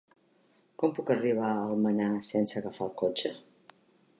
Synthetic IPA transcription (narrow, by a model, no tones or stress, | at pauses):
kɔmpukəriβaəlˠməɲasɛnsəɣafalˠkot͡ʃə